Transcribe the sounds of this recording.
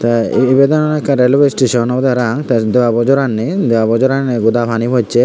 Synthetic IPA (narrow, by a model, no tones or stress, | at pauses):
t̪aibed̪ɔnɔnɛkːaɾelbesʈeʃɔnɔbɔd̪eɾaŋt̪ad̪ewabɔd͡ʒɔɾanːid̪eabɔd͡ʒɔɾanːeɡud̪apʰanibʱɔt͡ʃʰe